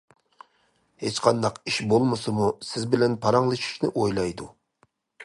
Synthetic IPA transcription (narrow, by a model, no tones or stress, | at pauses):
het͡ʃqʰɑnd̪ɑqiʃbolˠmɨsɨmusɪzbɪlɛnpʰɑɾɑŋlˠɨʃi̥ʃnɪʔojlˠɑjd̪u